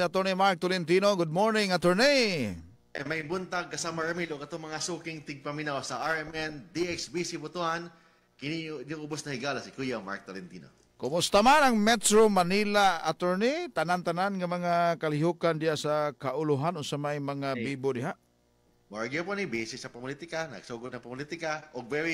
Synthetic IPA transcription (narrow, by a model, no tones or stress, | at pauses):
at̪oɹnimaɹk̚t̪olɪnt̪inoɡʊd̪̚moɹnɪŋat̪ɛɹni | ʔɐjmɐjbʊnt̪aɡ̚kɐsamɐɹɐmiloɡɐt̪oŋmɐŋasuːkɪŋt̪ɪɡ̚pɐmɪnawsɐʔaɹɛmɛnd̪iɛksbisibʊt̪uʔan | kɪninuŋʊbosnɐhɪɡaːlɐsɪkujama̰ɹk̚t̪olɛnt̪ḭːno̰ | kʊmʊst̪amanɐŋmɛt̪ɹomanilaa̰t̪ɛɹnit̪anant̪ananŋɐmɐŋakɐlɪɦukand̪ɪjasakaʔʊlʊɦanoɡsɐmajmɐŋabiːbod̪ɪɦaʔ | maɡiɐponibisɪsːɐpɐmʊlit̪ɪkanɐ̰ɡ̥suːɡot̪nɐŋpɐmlit̪ɪkaʔoɡ̚vɛɾi